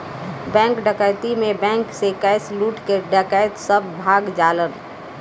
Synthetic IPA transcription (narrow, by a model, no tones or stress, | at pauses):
bɛ̃ːŋkɖəkəɪt̪imẽbɛ̃ːŋksekəɪsluːʈkeɖəkəjt̪səbːʱaːɡd͡ʒaːlən